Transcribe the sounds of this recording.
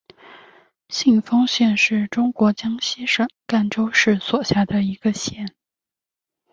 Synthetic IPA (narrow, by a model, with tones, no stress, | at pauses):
ɕi˥˩ŋfɑ˥ŋɕjɛ˥˧nʂɻ̩˥˩ʈ͡ʂʊ˥ŋkwɔ˧˥t͡ɕjɑ˥ŋɕi˥ʂɤ˨˩ŋka˥˩nʈ͡ʂo˥ʊʂɻ̩˥˩swɔ˨˩ɕja˥˩d̪ə˩i˧˥ɡ̥ə˧ɕjɛ˥˩n